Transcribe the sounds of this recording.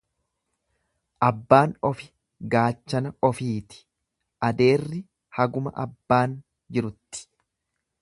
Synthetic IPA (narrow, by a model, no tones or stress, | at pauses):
ʔɐbːaːnɔfɪ̥ | ɡaːt͡ʃːɐnɐɔfiːt̪ɪ̥ | ʔɐd̪e̞ːrːɪ | hɐɡʊmɐ̰ʔɐbːaːn | d͡ʒɪɾʊt̪ːɪ̥